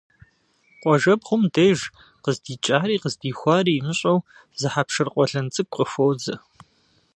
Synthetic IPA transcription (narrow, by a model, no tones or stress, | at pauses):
qʷʼɔʒɐbʁʷʊmdejʒ | qəzdiːt͡ʃʼaːɾiːqəzdiːxʷɑːriːmɨɕʼɐw | zɨħapʂɨrqʷʼɔɬɐnt͡sʼɨkʷʼəfowzɐ